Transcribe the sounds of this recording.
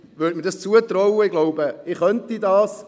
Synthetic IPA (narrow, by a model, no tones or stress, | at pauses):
vøːtməɾdɑst͡suət̪ɾɔwəɪɡ̥lɔʊbəɪχœntidɑːs